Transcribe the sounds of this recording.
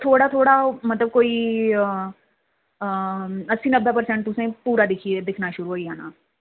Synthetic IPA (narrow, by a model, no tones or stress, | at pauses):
t̪ʰoːɽat̪ʰoːɽamɐt̪ləb̚koːi | ɐsinəbːepəɾsɛ̃ɳʈ̚t̪ʊsẽpuːɾad̪ɪkʰied̪ɪkʰnaʃʊɾuɦoːiɦaːna̰ː